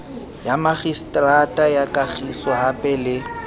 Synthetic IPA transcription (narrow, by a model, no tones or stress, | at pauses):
jamaχistʼratʼajakʼaχisɔɦapʼɛlɪ